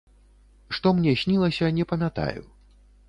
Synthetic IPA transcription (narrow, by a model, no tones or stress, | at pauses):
ʂt̪ɔmnʲɛsʲnʲilˠɐsʲɐnʲɛpɐmʲat̪a̰jṵ